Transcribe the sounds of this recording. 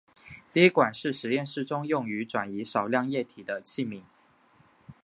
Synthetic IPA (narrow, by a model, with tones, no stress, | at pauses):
t̪i˥˧i˦˥kwa˨˩nʂɻ̩˥˩ʂɻ̩˧˥jɛ˥˧nʂɻ̩˥˩ʈ͡ʂʊ˥ŋjʊ˥˩ŋy˧˥ʈ͡ʂwa˨˩ni˧˥ʂɑ˨˩ʊljɑ˥˧ŋjɛ˥˩t̪ʰi˨˩d̪ə˦t͡ɕʰi˥˩mi˧˥˦ŋ